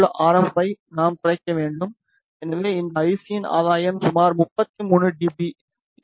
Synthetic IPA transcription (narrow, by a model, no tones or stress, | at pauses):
ɭʔaːɾɐpːɐɪnaːmt̪ɪɾɐɪkːɐʋeːɳɖɯm | ɛnɐʋeːɪnd̪ɐɐɪsɪjɪna̰ːðaːjɐmsʊmaːɾmʊpːɐt̪ːimuːnɯɖibi